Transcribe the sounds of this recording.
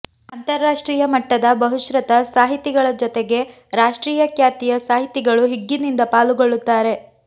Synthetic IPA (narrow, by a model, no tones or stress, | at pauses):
ɐnt̪ɐɾːaːʂʈɾiːjɐmɐʈːɐd̪ɐbɐɦuʃɾɐt̪ɐsaːɦit̪ːiɡɐɭɐd͡ʒɔt̪eɡe̞ | ɾaːʂʈɾiːjɐkjaːt̪ijɐsaːɦit̪ːiɡɐɭuɦiɡːinind̪ɐpaːluɡoɭːut̪ːaːɾe̞